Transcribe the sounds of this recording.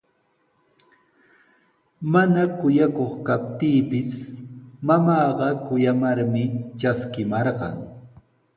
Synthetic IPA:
manakʊjakoχkap̚t̪iːpɪsmamɑːɢɑkʊjamaɾmɪt͡ʃaskɪmɑɾɢɑ̰ŋ

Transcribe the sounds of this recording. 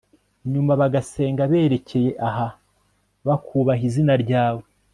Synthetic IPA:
ɲumaβaɡase̞ːŋɡaβe̞ːɾe̞ce̞je̞ʔaɦa | βakʰuβaɦizinaɾɟaːwe

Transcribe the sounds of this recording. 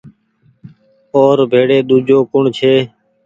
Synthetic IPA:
oːɾbʱeːɽeːɗ̪uːd͡ʒʱoːkʊɳt͡ʃʰeː

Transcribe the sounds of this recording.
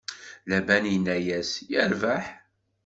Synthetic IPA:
læbænjənːæjæsjəɾvaħ

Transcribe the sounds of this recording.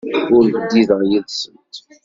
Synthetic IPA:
ʊɾvəd̪ːiðəʁjəlsənt̪

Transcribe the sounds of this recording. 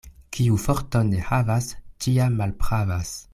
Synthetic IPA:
kʰiufoɾtonehavastʰiamːalpχavas

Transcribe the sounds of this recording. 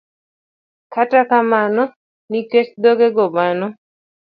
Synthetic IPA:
katakamanɔ | nikekd̪ɔɡeɡɔmanɔ

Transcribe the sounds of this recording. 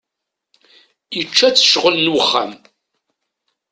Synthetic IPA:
jət͡ʃːæt͡sːə̥ʃʁəlnwəχːa̰m

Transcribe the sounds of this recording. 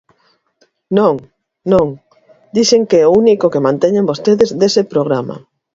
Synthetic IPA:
nõŋ | nõŋ | d̪iseŋkeɛounikokemãnt̪eɲẽmbost̪eðezðesepɾoɣ̞ɾama̰

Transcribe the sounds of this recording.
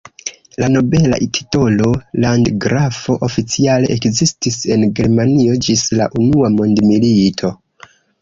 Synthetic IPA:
lano̞be̞la̰ʔitʰi̥to̞lo̞landɡɾafo̞ʔofit͡siale̞ʔekzistise̞nɡe̞ɾmanio̞d͡ʒisla̰ʔunuamo̞ndmilitʰo̞

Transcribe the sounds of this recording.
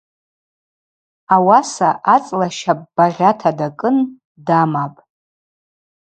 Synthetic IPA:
awasaʔat͡sʼlaʃapʼb̥aʁʲatʰadakʼɨn | damapʼ

